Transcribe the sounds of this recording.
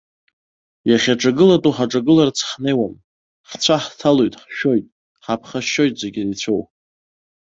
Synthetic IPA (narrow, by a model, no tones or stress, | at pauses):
jaχʲaʈ͡ʂʼaɡɨlatʼuħaʈ͡ʂʼaɡɨlart͡sʰħne̞jwam | ħt͡ɕʷʰaħtʰalojtʼħʃᶣo̞jtʼ | ħapʰχaʃːo̞jtʼze̞ɡʲirit͡ɕʷʰow